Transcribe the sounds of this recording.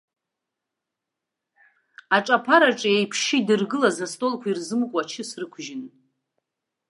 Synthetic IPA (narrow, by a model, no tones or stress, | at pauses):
aʈ͡ʂʼapʰaɾaʈ͡ʂʼaejpʰʃidɨrɡɨlazastʼo̞lkʷʰairzɨmkʷʼat͡ʃʰɪsrɨkʷʰʒɪn